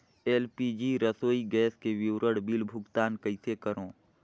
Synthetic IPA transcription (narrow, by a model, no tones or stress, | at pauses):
eːlpiːd͡ʒiɾəsoːiɡɛːskeʋɪwɾəɽbɪlbʱʊɡt̪aːnkəɪsekəɾõː